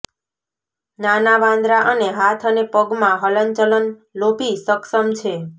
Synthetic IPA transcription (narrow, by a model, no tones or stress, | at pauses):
nanaʋãnd̪ɾaʔəneɦat̪ʰənepəɡmãɦələnt͡ʃələnlopisəksəmt͡ʃʰe